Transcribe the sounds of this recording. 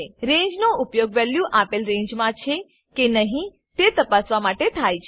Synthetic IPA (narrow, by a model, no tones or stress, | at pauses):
eɾẽɲd͡ʒnoʊpjoɡʋɛljuʔapelɾẽɲd͡ʒmãt͡ʃʰe | kenəɦĩ | t̪et̪əpasʋamaʈet̪ʰajt͡ʃʰ